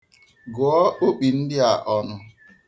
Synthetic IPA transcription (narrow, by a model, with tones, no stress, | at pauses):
ɡʊ˨˦ɔ˦o˦k͡pi˨n̩˦dɪ˦a˨ʔɔ˨nʊ˨